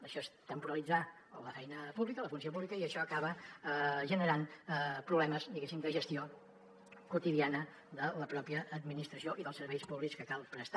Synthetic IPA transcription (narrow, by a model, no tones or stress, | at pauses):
əʃɔest̪əmpuɾəlid͡za | ləfɛjnəpuβlikələfuns̬iopuβlikəiəʃɔəkaβə | ʒənəɾanpɾuβlɛməzd̪iɣesimd̪əʒəst̪io | kut̪iðianə | ðələpɾɔpjəːd̪minist̪ɾəsioʔiðəlˠsəɾβɛjspuβlikskəkalˠpɾəst̪a